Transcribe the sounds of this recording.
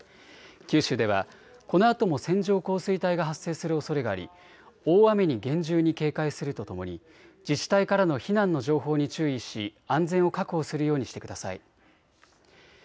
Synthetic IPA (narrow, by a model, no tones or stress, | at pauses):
kʲɨːɕɨːd̪e̞β̞a̰ | ko̞no̞at̪o̞mo̞sẽ̞ɲd͡ʑo̞ːko̞ːsɨit̪aiɡaɦasːe̞ːsɨɾɯ̟o̞so̞ɾe̞ɡaːɾʲḭ | o̞ːame̞ɲ̟iɡẽ̞ɲd͡ʑɨːɲ̟ike̞ːkaisɨɾɯ̟t̪o̞t̪o̞mo̞̰ɲ̟i | d͡ʑit͡ɕi̥t̪aikaɾano̞çinãnːo̞ʑo̞ːɦo̞ːɲ̟it͡ɕɨːiɕiãnzẽ̞ɰ̃o̞kakɯ̟hosɨɾɯjo̞ːɲ̟iɕi̥t̪ekɯ̟d̪asa̰ḭ